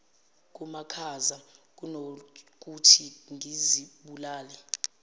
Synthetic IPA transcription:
k̬ʼumakʰazak̬unok̬ʼutʰiŋʱiziɓulaːlɛ

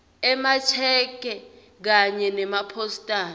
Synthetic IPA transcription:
ɛmat͡ʃʰɛk̬ʼɛ | k̬aɲɛnɛmapʰostʼaːn

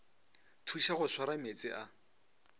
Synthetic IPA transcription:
tʰuʃaɣʊswaɾamet͡sʼɪʔa

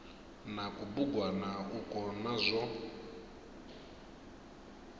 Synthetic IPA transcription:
nakubuɡwanakukɔnazʷɔ

